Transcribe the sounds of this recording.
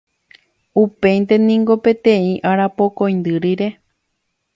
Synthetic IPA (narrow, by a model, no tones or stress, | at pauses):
upe̞jnt̪e̞nĩŋɡo̞pẽ̞t̪ẽĩʔaɾapo̞kõj̃nd̪ɨɾiɾe̞